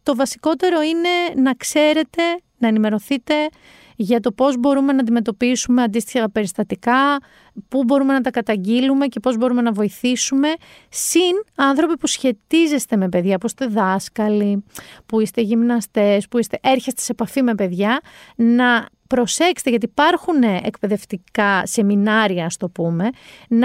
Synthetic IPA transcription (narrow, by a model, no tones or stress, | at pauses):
t̪o̞vɐsi̥ko̞t̪e̞ɾo̞ine̞nɐkse̞ɾe̞t̪e̞ | nɐenime̞ɾo̞θit̪e̞ | ʝɐt̪o̞po̞zbo̞ɾume̞nɐd̪ime̞t̪o̞pisume̞ɐnd̪ist̪içɐpe̞ɾist̪ɐt̪ikɐ | pubo̞ɾume̞nɐt̪ɐkɐt̪ɐɲɟilume̞ce̞po̞zbo̞ɾume̞nɐvo̞iθisume̞ | sinɐnθɾo̞pipusçe̞t̪ize̞st̪e̞me̞pe̞ðʝɐpuist̪e̞ðɐskɐlipuist̪e̞ʝimnɐst̪e̞spuist̪e̞ʔe̞ɾçest̪e̥sepɐfime̞pe̞ðʝɐnɐpɾo̞se̞kse̥t̪eʝɐt̪̬ipɐɾxuneʔḛkpe̞ðe̞ft̪ikɐse̞minɐɾiɐɐst̪opume̞n